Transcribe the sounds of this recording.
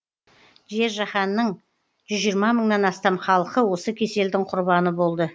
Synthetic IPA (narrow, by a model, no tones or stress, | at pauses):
ʒe̞ɾʒɑχɑnːəɴ | ʒ̥ʏzʒijɾmɑməɴnɑnɑst̪ɑmχɑlˠəqəwo̞səkʲʰe̞se̞ld̪ɪŋqʰʊɾbɑnəbo̞lˠd̪ə